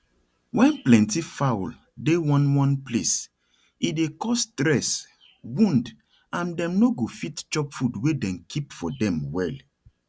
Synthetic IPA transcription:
wɛ̃nplɛ̃ntifawl | dewɔ̃nwɔ̃nples | idekɔstɾɛs | wũnd | ãndɛ̃mnoɡofitt͡ʃɔpfudwedɛ̃nkʰipfɔdɛ̃mwɛl

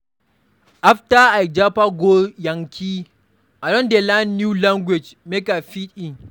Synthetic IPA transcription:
ʔaftaajd͡ʒapaɡojɐŋkʲʰi | ʔadɔ̃ndelanːjulaŋɡwed͡ʒmekafitiŋ

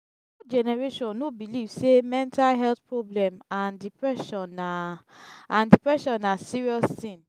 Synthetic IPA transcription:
ɔd͡ʒɛnɛɹeʃɔ̃nːobilivsemɛ̃ntalɦɛlt̪pɹɔblɛ̃mãndipɹɛʃɔ̃n | ãndipɹɛʃɔ̃nːasiɹiɔstĩn

